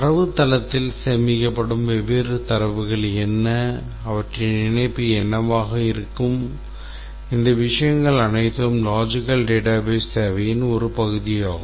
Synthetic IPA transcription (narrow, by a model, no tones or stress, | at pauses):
ɐɾɐʋɯt̪ːɐlɐt̪ːɪlsɛmɪkːɐpːɐɽɯmʋɛʋeɾɯt̪ɐɾɐʋɯɣɐɭɛnːɐː | ʋɐʈrɐnɪnɐɪpːiɛnːɐʋaːɣɐɪɾɯkːɯm | ɪnd̪ɐʋɪʂɐjɐŋɡɐɭɐnɐɪt̪ːɐɯmlaːd͡ʒɪkɐlɖeːʈaːbeːst̪eːʋɐjɪnɔɾɯpɐɣɯðɪjaːɣɯm